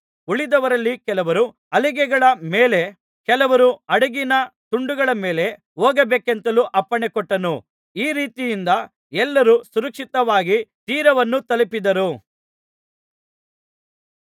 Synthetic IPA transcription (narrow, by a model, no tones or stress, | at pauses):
uɭid̪ɐʋɐɾɐlːikɛlɐʋɐɾu | ɐliɡɛɡɐɭɐmeːle̞ | kɛlɐʋɐɾuɐɽɐɡinɐt̪uɳɖuɡɐɭɐme̞ːle̞ | oːɡɐbeːkent̪ɐluːʔɐpːɐɳekɔʈːɐnu | iːɾiːt̪ijind̪ɐ | ɛlːɐɾusuɾɐkʂit̪ɐʋaːɡit̪iːɾɐʋɐnːut̪ɐlipid̪ɐɾu